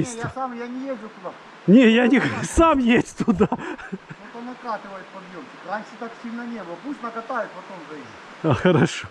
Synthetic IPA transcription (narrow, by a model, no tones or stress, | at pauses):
sʲt̪ʲsamjanʲɪjezʲʊt̪ʊd̪a | nʲejanʲɪxsamjesʲt̚ʲt̪ʊd̪aot̪ɐnɐkat̪ʲɪʋəjɪt̪̚pɐb̪jomɕʲɪkranʲʂɨt̪aksʲilʲnɐnʲebəlˠɐpusʲt̪ʲnɐkɐt̪ajɪt̪pɐt̪omzɐjesʲ | axɐɾɐʂo